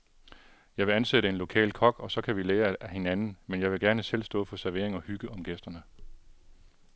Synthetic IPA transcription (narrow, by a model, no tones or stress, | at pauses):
jɑ̈ɪʋe̝ænseɾəe̝nlo̝kʰɛ̰ːlkʰɒ̽ɡ̥ɒ̽sɒ̽kʰæʋileːɐæhe̝nænn̩menjɑ̈ɪʋe̝ɡ̥æɐnəsel̰sd̥ɔ̰̽ːfɒ̽sæɐʋe̝ɐ̰e̝ŋɒ̽hyɡ̥əɒ̽mɡ̥esd̥ɐnə